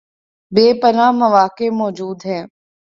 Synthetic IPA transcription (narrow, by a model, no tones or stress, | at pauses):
beːpəɾaːməʋaːkemɔːd͡ʒuːd̪ɦɛː